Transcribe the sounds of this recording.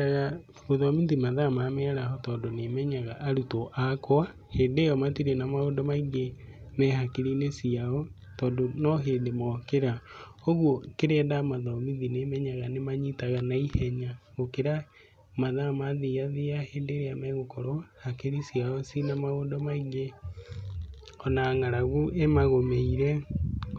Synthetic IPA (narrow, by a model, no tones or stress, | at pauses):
aɣa | moðɔmiðimaðamamɛaɾaɦɔtɔːndonemɛɲaɣaʔaɾutɔʔakwa | heːndeːjɔmatiɾenamaodɔmaiɡemɛhakeɾinesiaɔ | tɔːndonɔɦeːndemɔkeɾa | oɣwɔkeɾɛːdamaðɔmiðinemɛɲaɣanemaɲitaɣanaihɛɲaɣokeɾa | maðamaðeaðeaheːndeɾeamɛɣokɔɾɔhakeɾisiaɔsinamaodɔmaiɡe | ɔnaːŋaɾaɣuʔemaɣomeiɾɛ